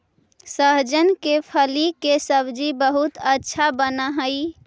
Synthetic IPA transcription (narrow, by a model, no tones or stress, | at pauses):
səɦd͡ʒənkepʰəlikesəbd͡ʒibəɦut̪ətːʃʰabənaɦəi